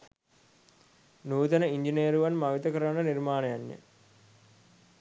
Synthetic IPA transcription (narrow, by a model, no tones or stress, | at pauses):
nuːt̪ɐnəiɲd͡ʒiniejəɾuʋanmaʋit̪ɐkəɾanənirmaːnɐjanːḛ